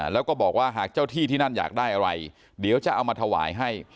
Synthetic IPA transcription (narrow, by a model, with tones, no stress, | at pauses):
lɛː˦˥wkɔː˥˩bɔː˨˩k̚waː˥˩ɦaː˨˩k̚t͡ɕaː˥˩wt̪ʰiː˥˩t̪ʰiː˥˩na˥˩nja̰ː˨˩k̚daː˥˩jʔa˧ɾa˧j | di˨˩˦wt͡ɕa˨˩ʔa˧wmaː˧t̪ʰa˧wa̰ː˩˦jɦa˥˩j